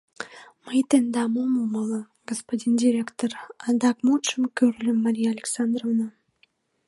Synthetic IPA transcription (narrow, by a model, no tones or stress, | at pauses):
məjt̪end̪ɑmomomɑlˠə | ɡ̥ospod̪ʲindʲiɾʲekt̪orɑnd̪ɑkmut͡ʃəmkʲøɾylʲəmːaɾʲijaːlʲeksand̪rovna